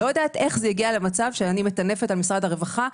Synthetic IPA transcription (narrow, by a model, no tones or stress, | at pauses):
ojad̪aːt̪e̞χzejaɡialemat͡savʃeanimet̪ane̞fetalmisʁad̪haʁevaχa